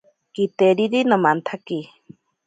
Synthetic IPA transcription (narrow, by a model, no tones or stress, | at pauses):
kit̪eɾiɾinomant̪ʰaki